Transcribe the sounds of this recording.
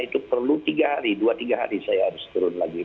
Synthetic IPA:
it̪upərlut̪iɡaɦaɾiduat̪iɡaɦa̰ɾisajahaɾʊst̪uɾʊnlaɡi

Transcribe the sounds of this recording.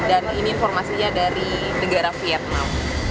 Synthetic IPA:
daniniːnfɔrmasiɲadaɾi | nəɡaɾafiat̪̚nam

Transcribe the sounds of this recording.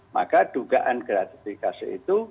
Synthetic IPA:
ma̰kad̥uɡaʔankəɾat̪i̥fikasiit̪u

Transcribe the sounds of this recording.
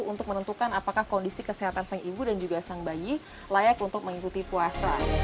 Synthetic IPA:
unt̪ʊk̚mənənt̪ukanapakahkondisikəseɦat̪ansaŋibudand͡ʒuɡasaŋbaji | lajakunt̪ʊk̚məŋikut̪ipuasa

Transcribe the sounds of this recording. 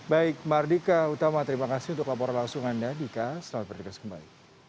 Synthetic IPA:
baɪk̚mardikaut̪amat̪əɾimakasɪɦunt̪ʊklapɔɾanlaŋsuŋandadikasəlamat̪̚pərdikaskəmbaɪk̚

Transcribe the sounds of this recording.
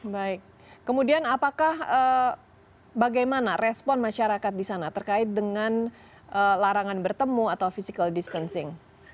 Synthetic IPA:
baɪk̚ː | əmudianapakahə | baɡajmanarʔɛspɔnmaʃaɾakat̪̚disanat̪ərkaɪt̪̚dəŋan | ʔəlaɾaŋanbərt̪əmuat̪awfisikəldist̪ənsɪŋ

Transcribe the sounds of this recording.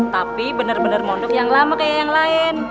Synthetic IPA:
t̪apibənərbənərmɔndʊkjaŋlamakajajaŋlaɪn

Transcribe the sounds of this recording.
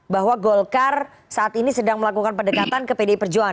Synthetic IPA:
baɦwaɡɔlkar | saʔat̪inisədaŋməlakukanpədəkat̪ankəpedaipərd͡ʒua

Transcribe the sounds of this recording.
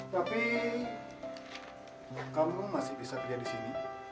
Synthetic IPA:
t̪api | kamumasɪhbisakəd͡ʒadisini

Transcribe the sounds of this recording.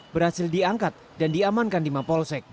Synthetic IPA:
bəɾhasɪldiaŋkat̪̚dandiamankandimapɔlsɛk̚

